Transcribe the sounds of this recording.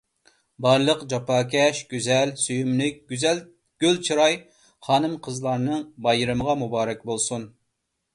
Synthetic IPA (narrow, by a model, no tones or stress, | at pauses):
bɑɾlˠəqd͡ʒɑpɑːkʲʰɛʃɡ̥ʲyzɛlsyjymlɪk̚ʲzɛl | ɡ̥ʲølt͡ʃʰɨɾɑj | χɑːnɨmqʰəzlˠɑɾnɨŋbɑjɨɾɨməʁɑmubɑːɾɛkʲbolˠsun